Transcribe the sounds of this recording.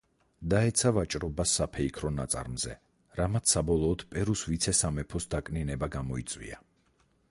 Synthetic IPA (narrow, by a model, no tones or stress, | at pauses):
d̪aɛt̪sʰavat͡ʃʼɾɔbasːapʰɛikʰɾɔnat̪sʼa̰ɾmzɛ | ɾamat̪ssabɔlˠɔːd̪̥pʼɛɾusvit̪sʰɛsamɛpʰɔsd̪akʼninɛbaɡamɔit̪sʼwḭa